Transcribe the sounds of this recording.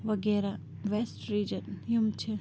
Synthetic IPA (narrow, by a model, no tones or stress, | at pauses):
ʋɐɡeːɾa | ʋesʈɾiːd͡ʒənjumt͡ʃʰi